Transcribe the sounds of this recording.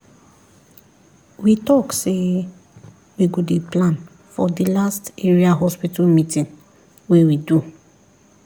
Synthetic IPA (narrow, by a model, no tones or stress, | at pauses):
witɔkse | wiɡodeplãn | fɔdilasteɹiaɦɔspitamĩtĩn | wewidu